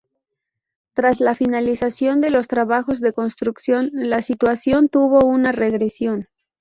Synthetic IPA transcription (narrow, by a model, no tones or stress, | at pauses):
t̪ɾazlafinalisasjo̞nd̪e̞lo̞st̪ɾaβaxo̞zðe̞ko̞nst̪ɾuksjo̞nlasit̪wasjo̞nt̪uβo̞unare̞ɣɾe̞sjo̞n